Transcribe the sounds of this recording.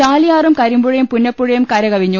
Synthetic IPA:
aːlijaːrumkɐɾimbuɻɐjumpunːɐpːuɻɐjumkɐɾɐɣɐʋiɲːu

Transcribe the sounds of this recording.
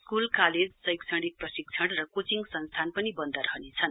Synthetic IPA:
skulkaled͡zsʌjkt͡sʰʌɽik̚prʌsik̚t͡sʰʌɽrʌkot͡siŋɡsʌnst̪ʰanpʌnibʌnd̪ʱaɾʌɦnet͡sʰʌn

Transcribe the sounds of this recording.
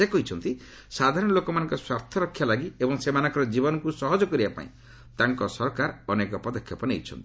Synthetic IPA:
ekɔɦit͡ʃʰɔnt̪i | sad̪ʱaɾɔnɔlokɔmanɔ̃ŋkɔswaɾt̪ʰɔɾɔkʰːjalaɡiebɔŋsemanɔ̃ŋkɔɾɔd͡ʒibɔnɔkusɔɦɔd͡ʒɔkɔɾibapa̰ḭ̃ | t̪aŋkɔsɔɾɔkaɾɔnekɔpɔd̪ɔkʰjɔpɔnejt͡ʃʰɔ̰nt̪i̥

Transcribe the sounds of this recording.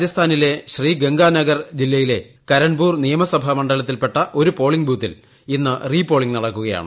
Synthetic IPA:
jɐst̪ʰaːnile̞ɕriːɡe̞ŋɡaːnɐɡɐrd͡ʑilːɐjile̞ | kɐɾɐɳbuːrnijɐmɐsɐbʱɐmɐɳɖɐlɐt̪̬ːilpe̞ʈːɐʔo̞ɾupo̞ːɭiŋɡbuːt̪ːḭl | inːɨriːpo̞ːɭiŋɡnɐɽɐkːuɣɐja̰ːɳɨ

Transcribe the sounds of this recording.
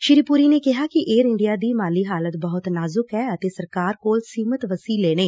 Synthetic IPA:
ʃɪɾiːpuɾiːneːkɪɦaːkɪʔeːɾɪɳɖɪjaːd̪iːmaːliːɦaːlət̪bəɦʊt̪naːzʊkɦɛːət̪eːsəɾkaːɾkoːlsiːmət̪ʋəsiːleːñeː

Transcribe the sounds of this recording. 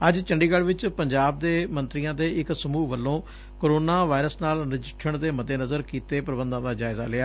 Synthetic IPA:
əd͡ʒt͡ʃəɳɖiːɡəɽʋɪt͡ʃpəɲd͡ʒaːb̚d̪eːmə̃nt̪ɾijãːd̪eːɪksəmuːʋəlːõː | koːɾoːnaːʋaːɪɾəsnaːlnɪd͡ʒɪʈʰːəɳd̪eːməd̪eːnəzəɾkiːt̪eːpɾəbənd̪ãːd̪aːd͡ʒaːɪza̰ːlɪaː

